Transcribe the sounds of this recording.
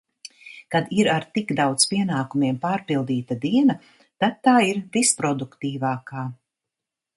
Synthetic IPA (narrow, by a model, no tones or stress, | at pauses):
kad̪iɾaɾt̪iɡd̪awt̪spiɛnaːkumiɛmpaːɾpilˠd̪iːt̪ad̪iɛna | t̪ad̪̚t̪ːaːiɾvispɾɔd̪ukt̪iːvaːkaː